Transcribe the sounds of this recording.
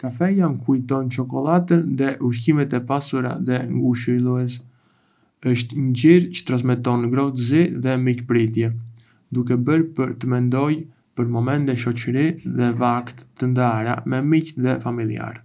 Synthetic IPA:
kafɛjamkujt̪ɔnt͡ʃɔkɔlˠat̪ənðɛʔuɾçimɛt̪ɛpasuɾa̰ðɛŋɡuʃəlˠuɛs | əʃt̪ɲəɟiɾcə̥t̪ɾas̬mɛt̪ɔnɡɾɔt̪ziðɛmikpɾit̪jɛ | d̪ukɛbəɾpəɾt̪əmɛnd̪ɔj | pəɾmɔmɛnt̪ɛʃɔt͡ɕəɾiðɛvakt̪t̪ːənd̪aɾa̰mɛmicðɛfamilˠia̰ɾ

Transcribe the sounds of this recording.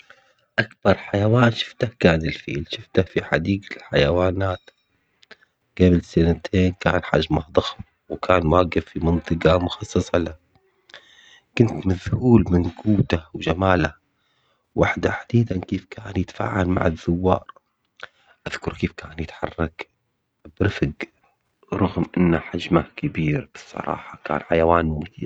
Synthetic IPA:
ʔakbɑɾˤħajawaːnʃɪ̥ft̪ahkaːnɪlfḭːlʃɪft̪afiħa̰d̪iːɡlħajawaːnaːt̪ | ɡ̥ablsanat̪ʰeːnkaːnħa̰ʒmahðˤɑx | wkʰaːnmaːɡɪfːimɨnt̪ˤɨqɑmʊxɑsˤːɑsˤɑla | kʊnt̪maðhuːlmɪnɡuːt̪awd͡ʒamaːla | wʔaħd̪aħad̪iːd̪ankeːfkʰaːnjɪt̪ḁfa̰ːʕalma̰ʕɪðːʊwːɑ̰ːɾˤ | ʔaðkʊɾkeːfkʰaːnjɪt̪ħɑrˤːɑk | bɾɪfɡ | ɾˤʊɣmʔɪnːaħad͡ʒmakɪbiːɾb̥ɨ̥sˤːɑ̰ɾˤɑ̰ːħɑka̰ːnħajawaːnmɪi

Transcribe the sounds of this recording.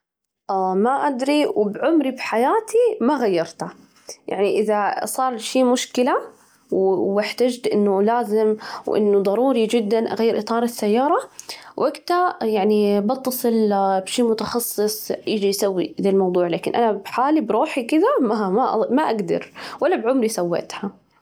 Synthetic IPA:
ʔamaʔad̪ɾiwɪbʕʊmɾibħajaːt̪ʰimaɣajːɑɾˤt̪a | jʔa̰ʕniʔɪðasˤɑːɾˤʃiːmʊʃkɪla | wwɪħt̪ad͡ʒt̪ʔɪ̰nːʊlaːzɪmwʔɪ̰nːʊðˤɑɾuːɾid͡ʒɪd̪ːanʔa̰ɣajːɪɾʔɨt̪ˤɑːɾˤɪsːajːɑːɾˤɑwʔaɡt̪ajaʕnibɑt̪ːɑsˤɨlbʃiːmʊt̪ɑxɑsˤːɨsˤjɪd͡ʒijsawːḭd̪elmɑwd̪ˤuːʕlaːkɪnʔanabħaːlibɾuːħikɪðamaaʔmaʔaɡd̪ɑ̰ɾwalːabʕʊmɾisawːḛʔt̪ha

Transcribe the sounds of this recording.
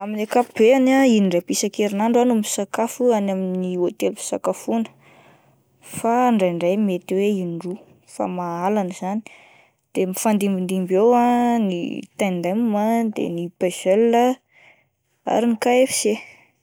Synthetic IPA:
aminakapub̥eanainiɳɖ͡ʐajpisakeɾinaɳɖ͡ʐanumisakafuanaminniot̪elui̥sakafunə̥ | faːɳɖ͡ʐajɳɖ͡ʐajmet̪weinɖ͡ʐu | fa̰maalanz̥ani̥ | d̪̥emifand̪imbind̪imbewanḭt̪and̪ammad̪ḛnipez̥ellə | a̰ɾinikaefi̥z̥e

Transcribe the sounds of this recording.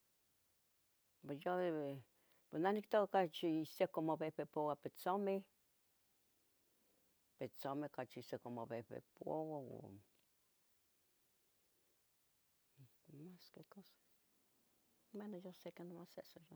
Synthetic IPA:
pejo | penahnikt̪okakat͡ʃiisekomoβehpepowapet͡some | pet͡somekat͡ʃiisekomoβepḛpo̰wao̰ | maskekose̥ | menojosekanomasḛʔsojo

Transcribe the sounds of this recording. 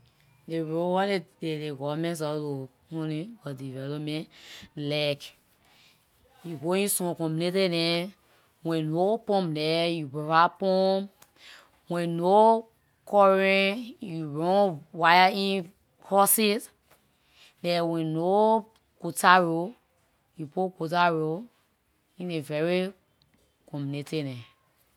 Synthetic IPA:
deɹowadededeɡɔvamɛ̃ns̬ɔlo | ɔ̃nĩbɔdivɛlɔpmɛ̃nlak | juɡoĩsɔ̃kɔ̃mbinetedɛ̃ | wɛ̃nopɔ̃mdɛjubɔvapɔ̃m | wɛ̃no | kɔɹɛ̃juɹɔ̃nwajaĩ | kʰɔsis | dɛ̃wɛ̃no | kotaɹo | jupokotaɹo | ĩnevɛɹi | kɔ̃munetɛdɛ̃

